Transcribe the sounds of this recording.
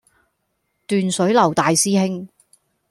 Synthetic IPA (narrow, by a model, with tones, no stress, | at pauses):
t̪yː˨nsɵ˨˥ɥlɐ˨˩wt̪aː˨jsiː˥hɪ˥ŋ